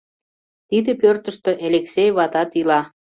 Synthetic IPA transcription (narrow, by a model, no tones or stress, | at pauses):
t̪id̪ĕpørt̪ə̆ʃt̪øʔeleksejβɑt̪ɑt̪ilɑ